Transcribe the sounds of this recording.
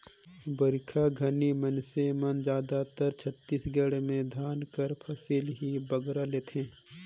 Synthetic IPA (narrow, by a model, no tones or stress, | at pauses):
bəɾɪkʰaɡʱɐnimənsemɐnd͡ʒaːd̪at̪əɾt͡ʃʰət̪ːiːsɡəɽmẽd̪ʱjaːnkəɾpʰɐsiːlɦibəɡɾaleːt̪ʰẽː